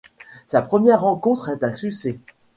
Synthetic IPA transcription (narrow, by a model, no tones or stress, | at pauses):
sapχəmjɛʁːɑ̃kɔ̃t̪χɛt̪ɛ̃syksɛ